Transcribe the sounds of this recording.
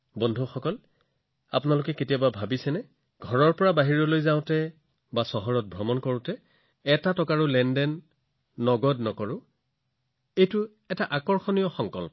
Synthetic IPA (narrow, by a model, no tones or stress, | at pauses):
bɔndʱuxɔkɔl | a̰pʊnalʊkɛketijababʱabisɛnɛ | ɡʱɔɹɔɹpɔɹabaɦiɹɔlojzaʊ̃tɛ | basɔɦɔɹɔt̚bʱɹɔmɔnkɔɹʊ̃tɛ | ɛtatɔkaɹʊlɛndɛnː | ɔɡɔdnɔkɔɹʊ̃ | ejtʊ | ɛtaʔakɔɹxɔnijɔxɔŋkɔl